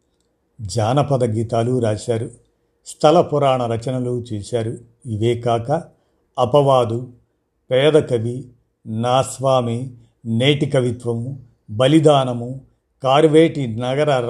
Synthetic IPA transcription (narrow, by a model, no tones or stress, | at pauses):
d͡ʒaːnɐpɐd̪ɐɡiːt̪aːluɾaːʃaːɾu | st̪ʰɐlɐpuɾaːɳɐɾɐt͡ʃɐnɐlut͡ʃɛːʃaːɾu | iʋeːkaːkɐː | pɐʋaːd̪u | pɛːd̪ɐkɐʋi | naːsʋaːmi | neːʈikɐʋit̪ʋɐmu | bɐlid̪aːnɐmu | kaːɾʋeːʈinɐɡɐɾɐ